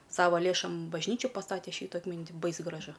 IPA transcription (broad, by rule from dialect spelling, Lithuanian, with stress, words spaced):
ˈsɑːʋɐ ˈlʲeːʃoːm bɐʒʲˈnʲiːt͡ʃʲuː pɐˈstɑːtʲɛ ˈʃʲiːtʊ ɐtʲˈmʲɪnʲtʲ ˈbɐɪs ɡrɐˈʒʊ